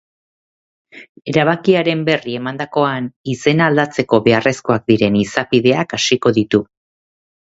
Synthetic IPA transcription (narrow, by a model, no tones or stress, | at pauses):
e̞ɾaβakiaɾe̞mbe̞rie̞mand̪ako̞anise̞naːld̪at͡se̞ko̞βe̞are̞sko̞ak̚d̪iɾe̞nisapiðe̞akasiko̞ðit̪u